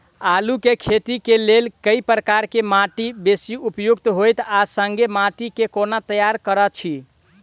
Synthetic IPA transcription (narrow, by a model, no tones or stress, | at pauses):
alukekʰet̪ikelelkəipɾəkaɾkemaʈibesiupjuɡ̚t̪ɦojt̪asəŋɡemaʈikekonat̪əjaɾkəɾət͡ʃʰi